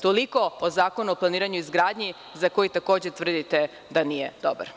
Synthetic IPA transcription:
t̪oliko̞ozaːko̞nuoplˠaniːɾaɲuizɡɾaːd̪ɲi | zako̞jit̪ako̞ːd͡ʑe̞t̪ʋr̩d̪it̪e | d̪anijḛd̪oba̰ɾ

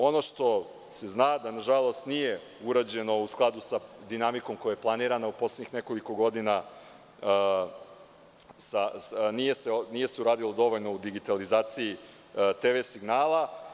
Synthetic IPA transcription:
o̞no̞ʃt̪o̞ | se̞znaːd̪anaʒalo̞st̪nije̞ | uɾad͡ʑe̞no̞usklˠad̪usad̪inamiko̞mkojajplˠaniːɾanaupo̞sledɲixne̞ko̞liko̞ɡo̞d̪ina | sanije̞senije̞seuɾaːd̪ilo̞d̪o̞ʋoʎno̞ud̪iɡit̪alizaːt̪siji | t̪eʋesiɡnaːlˠa

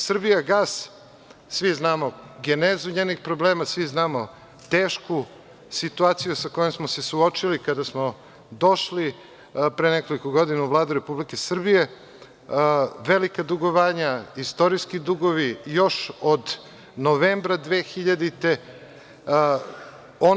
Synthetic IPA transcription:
sr̩bijaɡaːs | sʋiznaːmoɡenezuɲeːnixpɾo̞bleːmasʋiznaːmo | t̪eːʃku | sit̪uaːt̪sijusako̞jemsmose̞suo̞t͡ʃilikad̪asmo | d̪o̞ʃli | pɾeneko̞likoɡod̪inauvlˠaːd̪uɾe̞publike̞sr̩bije̞ | ʋelikad̪uɡo̞ʋaːɲaist̪o̞ɾiskid̪uɡo̞ʋijo̞ʃod̪ | noʋeːmbɾad̪ʋeːxiʎad̪it̪e̞ | o

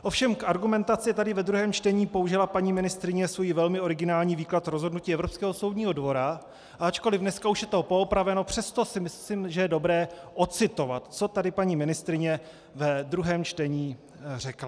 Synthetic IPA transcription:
ʔo̞fʃɛmkaɾɡumɛnt̪at͡sɪt̪adɪvɛd̪ɾuɦɛːmt͡ʃt̪ɛɲiːpo̞uʒɪlapaɲiːmɪnɪst̪ɾɪɲɛsvojivɛlmɪo̞ɾɪɡɪnaːlɲiːviːklat̪ɾo̞zɦo̞dnuciːɛvɾo̞pskɛːɦo̞so̞wdɲiːɦo̞dvo̞ɾa | ʔaat͡ʃko̞lɪfnɛskauʃjɛt̪opo̞opɾavɛno̞pr̝̥ɛst̪o̞sɪmɪ | imʒɛjɛdo̞bɾɛːʔot͡sɪt̪o̞vat̪t͡so̞t̪adɪpaɲiːmɪnɪst̪ɾɪɲɛ | vɛd̪ɾuɦɛːmt͡ʃt̪ɛɲiː | r̝ɛkla

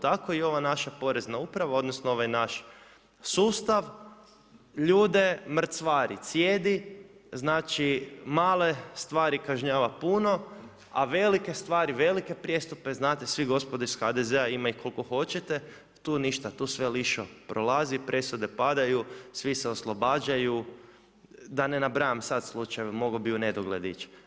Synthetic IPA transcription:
t̪akoio̞ʋanaʃapo̞ɾe̞znaupɾaʋao̞d̪nosnooʋajnaʃ | suːst̪aʋ | ʎuːd̪e̞mr̩t̪sʋaːɾḭt̪sjeːd̪iznaːt͡ʃimaːle̞st̪ʋaːɾikaʒɲaːʋapuno̞ | a̰ʋe̞like̞st̪ʋaːɾiʋe̞like̞pɾʲje̞st̪upe̞znaːt̪esʋiɡo̞spod̪oisxad̪ezeaimajukolkoxo̞t͡ʃet̪e | t̪uːniʃt̪at̪uːsʋeliʃopɾʔolˠazipɾʔe̞sud̪e̞pad̪ajusʋiseoslˠobaːd͡ʒaju | d̪anenabɾajamsad̪slˠut͡ʃajʋemo̞ɡobiuned̪oɡled̪it͡ʃ

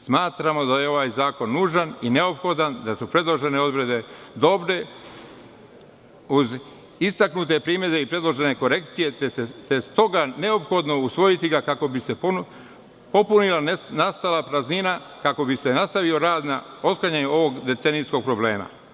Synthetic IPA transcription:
smaːt̪ɾamo̞d̪ajeo̞ʋaːjzaːko̞nːuːʒanine̞o̞pxo̞d̪and̪asupɾe̞d̪lˠo̞ʒe̞ne̞o̞d̪ɾe̞d̪e̞d̪o̞bɾe̞ | uz | ist̪aknut̪e̞pɾiːmje̞d̪e̞ipɾe̞d̪lˠo̞ʒe̞ne̞ko̞ɾe̞kt̪sije̞et̪est̪o̞ɡane̞o̞pxo̞d̪no̞usʋo̞jit̪iɡakako̞bise̞p | po̞punilanast̪alapɾaznina | kako̞bise̞nast̪aʋio̞ɾaːd̪nao̞t̪̚klaɲeɲuo̞ʋo̞ɡd̪e̞t̪enisko̞ɡ̚pɾo̞ble̞ːma̰

